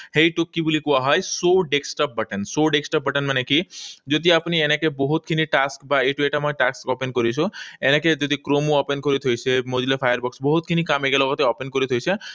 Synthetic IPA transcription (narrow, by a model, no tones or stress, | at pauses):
heiʈukːibulikuaɦɔjsoɖeksʈɔp̚bəʈənsoɖeksʈɔp̚bəʈənmanekid͡ʒod̪ʱiapnienekebɔɦut̪kʰiniʈaskbaeʈueʈamɔjʈakskɔpenkɔɾit͡ʃʰueneked͡ʒod̪ikɾomuɔpenkɔɾit̪ʰojt͡ʃʰemod͡ʒlepʰajəɾbɔksbɔɦut̪̚kʰinikameɡelɔɡɔt̪eɔpenkɔɾit̪ʰojt͡ʃʰe